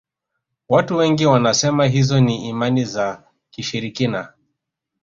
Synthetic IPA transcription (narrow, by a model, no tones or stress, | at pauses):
watuwɛŋɡiwanasɛmaɦizɔniimaniza | kiʃiɾikina